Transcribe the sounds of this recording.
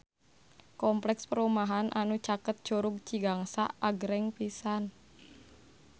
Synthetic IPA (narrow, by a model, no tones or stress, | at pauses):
kɔmplɛkspəɾumaɦanʔanut͡ʃakət̪̚d͡ʒoɾuɡ̚t͡ʃiɡaŋsa̰aɡɾɛŋpisan